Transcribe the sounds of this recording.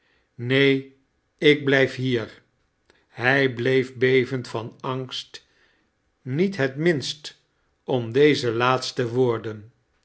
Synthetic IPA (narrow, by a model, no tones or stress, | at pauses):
nej | ɪɡ̚blɛjfɦiːɹ | ɦɛjblejvbejvəntfɑnɑŋst | nitɦətmɪnst | ɔmdejzəlaːtstəʋʊːɹdən